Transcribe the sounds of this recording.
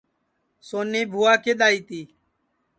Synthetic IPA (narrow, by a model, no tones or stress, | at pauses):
soːniːbʱuːaːkʰeːɗ̪aːiːt̪iː